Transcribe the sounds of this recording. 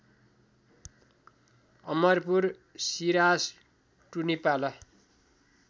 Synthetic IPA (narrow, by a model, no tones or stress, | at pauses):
ʌmʌrpur | siɾas | ʈunipalʌ